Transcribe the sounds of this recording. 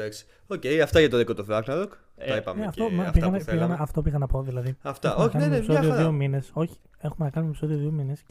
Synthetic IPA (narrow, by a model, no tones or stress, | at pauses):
d̪ɐksi̥ | ocejɐft̪ɐʝɐt̪oðikot̪oθɾɐɣnɐlok | ipɐ̰mneɐft̪omɐpiɣɐnpiɣɐnɐɐft̪o̞pixɐnɐpo̞ðilɐðiɐfteɐmonɐkɐnmeeisoðioðiomine̞so̞çi̥ | e̞xumenɐkɐnumepi̥soðio̞ðio̞mine̞s